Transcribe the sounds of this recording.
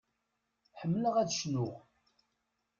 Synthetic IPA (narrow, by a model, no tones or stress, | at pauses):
ħəmːələʁæðʃnʊʁ